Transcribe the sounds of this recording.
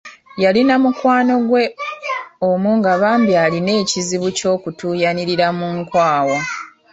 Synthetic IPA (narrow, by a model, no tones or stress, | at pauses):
jalinamukwaːno̞ɡwe̞ | omuŋɡaβaːmbjaline̞ːciziβuco̞ːkutuːjaniɾiɾamuŋkwaːwo